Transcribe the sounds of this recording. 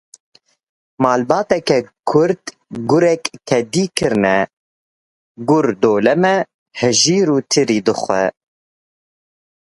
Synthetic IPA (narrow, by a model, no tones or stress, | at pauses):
mɑːlbɑːt̪ɛkɛkʰʊɾd̪ | ɡʊɾɛktʰɛd̪iːkʰɨɾnɛ | ɡʊɾd̪oːlɛmɛ | hɨʒiːɾuːt̪ʰɨɾiːd̪ɨxʷɛ